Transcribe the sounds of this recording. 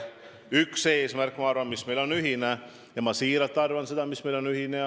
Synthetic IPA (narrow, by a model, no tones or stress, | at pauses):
ykse̞ːsmærkːˑmɑɑrvɑnmismejlo̞nyɦine | jɑmɑsiːɾɑt̪ːˑɑrvɑnse̞d̪̥ɑmismejlo̞nyɦine